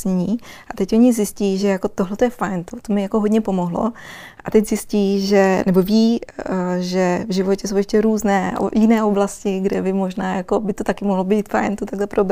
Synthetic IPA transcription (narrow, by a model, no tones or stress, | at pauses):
ɲiːʔat̪ɛcʔo̞ɲɪzjɪsciːʒɛjako̞t̪oɦlɛt̪ojɛfajnt̪ot̪omɪjako̞ɦodɲɛpo̞mo̞ɦlo̞̰ | ʔat̪ɛczɪsciːʒɛnɛbo̞viː | ʒɛvʒɪvo̞cɛsowjɛʃcɛɾuːznɛ̰ːjɪnɛːʔo̞blascɪɡdɛbɪmo̞ʒnaːjako̞bɪt̪ot̪akɪmoɦlobiːt̪fa̰jnt̪ot̪aɡlɛpɾob